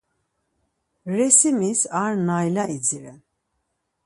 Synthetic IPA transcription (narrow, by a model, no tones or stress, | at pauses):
ɾɛsimisaɾnajlaid͡ziɾɛn